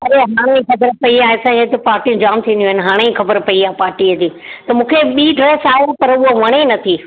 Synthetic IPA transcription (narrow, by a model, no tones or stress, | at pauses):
ɐɾeɦaːɽ̃eĩxɐbəɾpɐiaːɦesãːd͡ʑet̪epaːɾʈijũd͡ʑaːmt̪ʰĩːnd̪j̃ɦɪnɪ̆ɦaːɽ̃ẽĩxɐbəɾpɐiaːɦepaːɾʈiəd͡ʑiːt̪ɐmũːkʰeɓiːɖɾeːsaːɦepɐɾʊɦoʋɐɽ̃enɐt̪ʰi